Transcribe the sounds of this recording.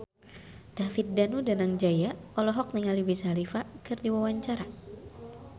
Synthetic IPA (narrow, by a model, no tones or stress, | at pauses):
d̪̥afit̪̚danudanaŋd͡ʒajaɔlɔɦɔk̚niŋalibisalifakɨrdiwawaɲt͡ʃaɾa